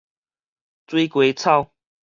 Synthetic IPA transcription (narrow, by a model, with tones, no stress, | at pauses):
t͡swi˦kwe˨˧˦t͡sʰa˥˨ʊ